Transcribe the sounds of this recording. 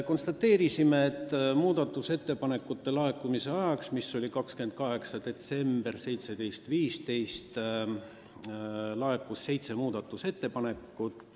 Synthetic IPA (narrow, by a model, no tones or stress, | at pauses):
ko̞nst̪ɑt̪ːe̞ːɾisimeːt̪ːˑmuːd̪̥ɑt̪ːˑuse̞t̪ːe̞pɑne̞kːˑut̪ːe̞lɑe̞kːˑumise̞ɑjɑksmisːo̞lʲikɑkskyend̪̥̚kɑɦe̞ksɑd̪̥e̞t̪se̞mb̥erse̞jt̪se̞d̪̥e̞jst̪viːst̪e̞jst̪ | lɑe̞kːˑusːe̞jt̪se̞muːd̪̥ɑt̪ːˑuse̞t̪ːe̞pɑne̞kːˑut̪